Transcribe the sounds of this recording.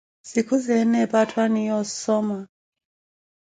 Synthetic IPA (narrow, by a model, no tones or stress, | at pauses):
z̥ikʰuzɛnɛpatʰwanijɔsɔma